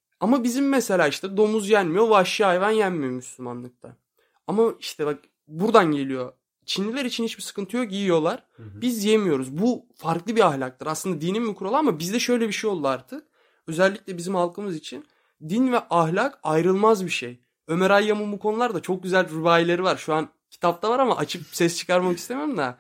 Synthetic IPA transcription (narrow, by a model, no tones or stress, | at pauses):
amabizimːese̞lʲaːiʃt̪ɛd̪o̞muzjænmijo̞vɛaʃjaːevanjænmijo̞myslʲyma̰nˠɯk̚t̪ʰa̰ | amaiʃt̪ʰɛbak̚ | buɾd̪anɟe̞lʲijo̞ | t͡ʃʰinlʲilʲeɾit͡ʃʰinhit͡ʃbisɯ̥kʰɯnt̪ʰɯjokjiːjo̞lˠaɾ̥bizjemijo̞ɾuzbufaɾklˠɯbiahlʲak̚t̪ɯɾaslɯnd̪ad̪inimmykɾo̞lˠaamabizd̪ɛʃø̞jlʲɛbiʃejo̞lˠd̪uaɾt̪ʰɯk̚ | ø̞zɛlʲːicʲlʲɛbizimhalˠkʰɯmɯzit͡ʃʰin | d̪invɛʔahlʲakajɾɯlˠmazbiʃej | ø̞meɾajːamɯmukʰo̞nulˠaɾd̪at͡ʃʰo̞k̚ɟyzælʲɾubaːjilʲe̞ɾivaɾʃuan | cʰi̥t̪ʰap̚t̪ʰavaɾamaʔat͡ʃʰɯp̚sɛst͡ʃʰɯ̥kaɾmakist̪emiɾumd̪a